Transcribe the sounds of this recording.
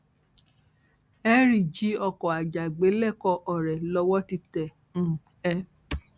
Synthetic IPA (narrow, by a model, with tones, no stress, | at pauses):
ɛ˦ɾi˨d͡ʒi˨˦ɔ˧kɔ˨a˨d͡ʒa˨ɡ͡be˨˦lɛ˦˨kɔ˧ʔɔ˨ɾɛ˨lɔ˧wɔ˦ti˧tɛ̃˨ | ɛ˧